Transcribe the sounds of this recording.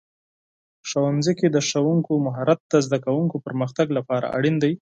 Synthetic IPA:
ʃawanziked̪əʂawuŋkomaɦɑɾat̪̚ːazd̪akawuŋkopəɾməxt̪aɡlapɑɾa̰ʔa̰ɽind̪aj

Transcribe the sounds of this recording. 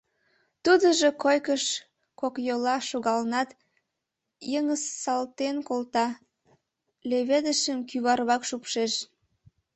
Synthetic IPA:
t̪ud̪əʒokojkəʃ | kokjolɑʃoɣɑlnɑt̪ | jəŋəsːɑlt̪enkolt̪ɑ | leβed̪əʃəmkyβɑrβɑkʃupʃeʃ

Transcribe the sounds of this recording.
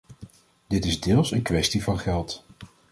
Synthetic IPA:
d̥ɪtɪzdɪːlˠsənkʋɛstivɑnχɛlˠt

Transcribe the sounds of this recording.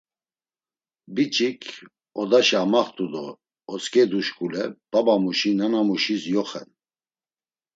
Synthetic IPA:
bit͡ʃʼikʰ | ɔd̪aʃamaχt̪ʼud̪ɔ̰ː | t͡skʼɛd̪uʃkʼulɛb̥abamuʃinanamuʃisjɔχɛ̰n

